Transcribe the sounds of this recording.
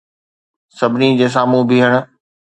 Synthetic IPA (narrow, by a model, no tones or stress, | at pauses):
sɐbʱɪnid͡ʑeːs̬aːmũbiɦəɽ̃ʊ̆